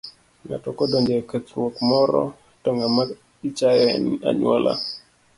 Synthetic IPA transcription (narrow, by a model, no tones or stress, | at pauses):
ŋa̰tɔkɔdoɲd͡ʒekət̪ɾwokmɔɾɔ̰ | toŋɡama | it͡ʃajɔ̰na̰ɲwɔlʔa̰